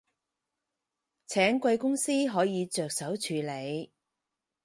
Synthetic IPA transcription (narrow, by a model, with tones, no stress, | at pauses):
t͡sʰɛː˨˥ŋkʷɐ˧jkʊ˥ŋsiː˥ɦɔː˨˥jiː˨˧t͡ʃœː˨k̚sɐ˨˥wt͡ʃʰyː˨˧le˨˧j